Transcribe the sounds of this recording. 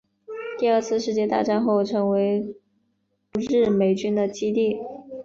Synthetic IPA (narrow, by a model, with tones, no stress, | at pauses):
t̪i˥˧ə˞˥˧t͡sʰɹ̩˥˧ʂɻ̩˥˧t͡ɕjɛ˥˧t̪a̰˥˧ʈ͡ʂa˥˧nxo˥˩ʊʈ͡ʂʰɤ˧˥ŋwe˧˥ɪ | ɻɻ̩˥˩me˧˥ɪt͡ɕy˥nd̪ə˨t͡ɕi˥t̪i˥˩